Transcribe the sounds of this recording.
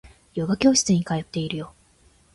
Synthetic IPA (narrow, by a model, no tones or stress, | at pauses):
joɡakʲo̞ːɕi̥t͡sɨɲ̟ːikajo̞t̪ːe̞iɾɯ̟jo̞